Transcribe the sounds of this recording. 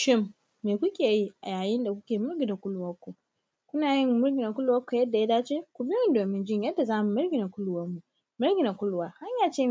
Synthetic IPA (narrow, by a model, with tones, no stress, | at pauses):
ʃɪ˦mː | eː˨kʷʊ˦kʲeː˨ji˦ʔa˨jaː˨jɪ˦nda˨kʷʊ˦kʲeː˨mʊ˦rɡʲɪ˨da˨kʷʊ˦lʊ˦wɐ˦kʷːo˨ | kʷʊ˦naː˨jɪ˦mːʊ˦rɡʲɪ˨da˨kʷʊ˦lwɐ˦kʷːo˨jɐ˦dːa˨ja˦daː˦t͡ʃeː˦kʷʊ˨bɪ˦ɪ˦ndoː˨mɪ˦nd͡ʒɪ˦ɲjɐ˦dːa˨zaː˦mu˨mʊ˦ɽɡʲɪ˨na˨kʷʊ˦lʊ˦wɐ˦mːu˨ʔ | mʊ˦rɡʲɪ˨na˨kʷʊ˦lwaː˨ha˦ɲjaː˨t͡ʃeː˦